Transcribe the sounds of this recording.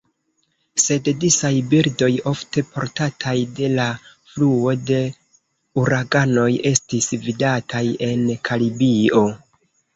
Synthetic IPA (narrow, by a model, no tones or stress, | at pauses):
se̞ddisajbiɾdo̞jo̞fte̞pʰo̞̰ɾtatʰajde̞la | fluo̞de̞ | uɾaɡano̞je̞stisvidatʰaje̞nkʰalibio̞